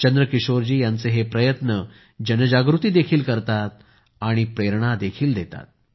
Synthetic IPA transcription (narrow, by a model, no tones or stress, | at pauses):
t͡ɕənd̪ɾəkiɕoɾd͡ʑiːjant͡seɦepɾəjət̪nə | d͡ʑənəd͡ʑaɡɾut̪iːd̪ekʰiːlkəɾt̪at̪̚ | aɽ̃ipɾeɾɳad̪ekʰiːld̪et̪a̰t̪̚